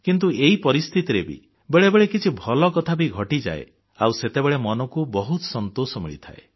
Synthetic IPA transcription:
kint̪̬ueipɔɾist̪ʰit̪iɾebḭ | beɭebeɭekit͡ʃʰibʱɔlɔkɔt̪ʰabiɡʱɔʈid͡ʒa̰ḛ | awset̪ebeɭemɔnɔkubɔɦut̪ɔ̥sɔnt̪osɔmḭɭit̪ʰa̰e

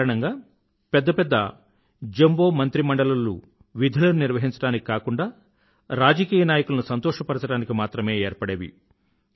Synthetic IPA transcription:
ɾɐɳɐŋɡaː | pɛd̪ːɐpɛd̪ːɐ | d͡ʒembo̞ːmɐnt̪ɾimɐɳɖɐlɐlːṵ | ʋid̪ʱɐlɐnuniɾʋɐɦiɲt͡ʃɐɽaːniki̥kaːkuɳɖaː | ɾaːd͡ʒɐkiːjɐnaːjɐkulɐnusɐnt̪ɔːʂɐpɐɾɐt͡ʃɐɽaːnikimaːt̪ɾɐme̞ːeːɾpɐɽeʋḭ

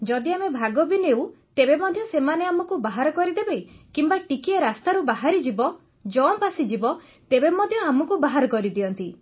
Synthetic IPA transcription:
d͡ʒɔd̪iamebʱaɡɔbinewt̪ebemɔd̪ʱjɔsemaneamɔkubaɦaɾɔkɔɾid̪ebejkimbaʈikieɾast̪aɾubaɦaɾid͡ʒibɔ | d͡ʒɔpasid͡ʒibɔ | t̪ebemɔd̪ʱjɔamɔkubaɦaɾɔkɔɾid̪iɔnt̪i

